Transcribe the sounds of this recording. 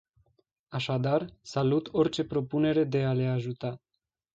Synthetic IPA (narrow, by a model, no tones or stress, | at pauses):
aʃad̪arsalut̪o̞rt͡ʃe̞pɾo̞pune̞ɾe̞d̪e̞ale̞aʒut̪a